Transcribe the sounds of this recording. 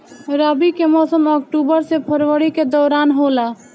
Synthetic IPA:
ɾəbikemɔsəmɔk̚ʈubəɾsepʰəɾʋəɾiked̪ɔːɾanɦola

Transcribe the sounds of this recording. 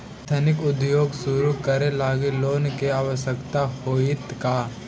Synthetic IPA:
t̪ʰɐnɪkʊd̪joːɡsʊɾukɐɾelaːɡeloːnkeaːʋəʃəkt̪ahoːɪt̪kaː

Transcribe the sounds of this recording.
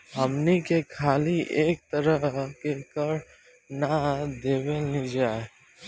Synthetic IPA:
ɦəmnikekʰaːliʔeːk̚t̪əɾəɦkekəɾ | nad̪eːʋenid͡ʒaːe

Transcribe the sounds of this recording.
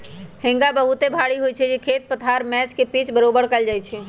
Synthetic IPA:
hɪ̃ŋɡabəɦut̪ebʱaːɽiɦojt͡ʃʰɛd͡ʒekʰeːt̪̚pət̪ʰaɾmɛːt͡ʃkepiːt͡ʃbəɾoːbəɽkəld͡ʒaːjt͡ʃʰɛ

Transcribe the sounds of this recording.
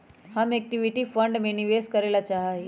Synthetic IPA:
hamek̚ʈiʋiʈiːfəɳɖmeniʋeskəɾelat͡ʃaɦaɦe

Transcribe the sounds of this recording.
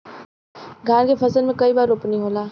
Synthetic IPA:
ɡʱaːnkepʰɐsəlmẽkɐibaːɾʊpnĩɦoːlaː

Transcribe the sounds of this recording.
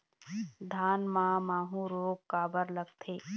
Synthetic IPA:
d̪ʱaːnmãːmaːɦũɾoːɡkaːbəɾləɡt̪ʰeː

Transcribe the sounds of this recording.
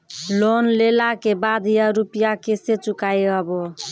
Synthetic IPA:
lonlelakebad̪ʱjaɾupijakeset͡ʃukajəbo

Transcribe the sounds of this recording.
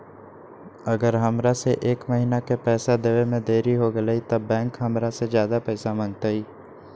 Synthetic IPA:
ɐɡəɾɦɐmɾaseʔeːkmɐɦinakepɛːsad̪eːʋemẽd̪eːɾiɦoɡɐlait̪ɐbːɛ̃ːŋkɦɐmɾasezjaːd̪apɛːsamə̃ŋɡ̚t̪aɦiː

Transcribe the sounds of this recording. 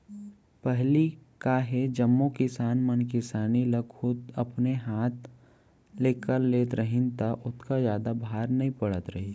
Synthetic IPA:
pɛɦlikaɦed͡ʒɐmːokɪsaːnmənkɪsaːnilɐɡhʊt̪ɐpneɦaːt̪ʰ | leːkəɾleːt̪ɾəɦɪ̃nt̪aʔʊt̪kazjaːd̪abʱaːɾnɐɦĩpɐɽət̪ɾɐɦi

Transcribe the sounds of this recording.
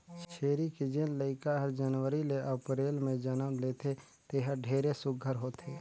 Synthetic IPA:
t͡ʃt͡ʃʰeːɾikid͡ʒenləɪkaɦəɾd͡ʒənwəɾileʔəpɾeːlmẽd͡ʒənəmleːt̪ʰe | t̪eɦəɖʱeːɾesʊɡʱəɾɦoːt̪eː

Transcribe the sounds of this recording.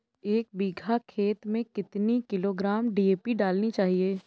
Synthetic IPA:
eːk̚biːɡʱakʰeːt̪mẽkɪt̪nikɪloːɡɾaːmɖiːeːpiɖaːlnit͡ʃaːɦieː

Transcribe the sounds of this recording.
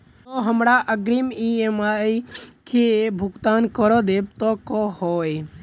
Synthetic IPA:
oɦəmɾaʔəɡɾimiemaikʰebʱʊɡt̪aːnkəɾɔd̪eːb̚t̪ɔkɔhɔːe

